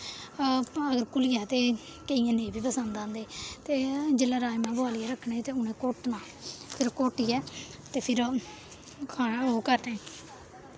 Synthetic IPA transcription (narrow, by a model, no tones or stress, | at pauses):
əɡəɾkʊlɪjaːt̪eː | kəijãːnẽːbiːpəsə̃nd̪ãːnd̪eːt̪eːd͡ʒelaːɾaːimãːboaːlɪɛːɾəkʰːɳeːt̪eːʊnẽːkoːʈnãː | pʰɪɾkoːʈiːɛːt̪eːpʰɪɾ | kʰaːɦoːkəɾnẽː